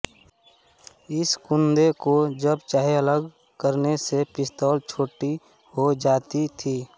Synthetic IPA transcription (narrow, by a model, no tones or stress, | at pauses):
ɪskʊ̃nd̪ekod͡ʒəbt͡ʃaːɦeələɡ | kəɾnesepɪst̪ɔːlt͡ʃʰoːʈi | hod͡ʒaːt̪it̪ʰiː